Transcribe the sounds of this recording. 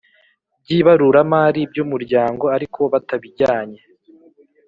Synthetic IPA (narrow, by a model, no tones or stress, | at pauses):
b̚ɟiβaɾuɾamaːɾib̚ɟumuɾɟaːŋɡo̞aɾikʰo̞βataβiɟaːɲe